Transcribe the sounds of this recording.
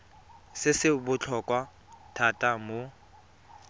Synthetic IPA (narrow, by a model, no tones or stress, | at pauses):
sɪsɪbʊt͡ɬʰɔkʼwa | tʰatʼamo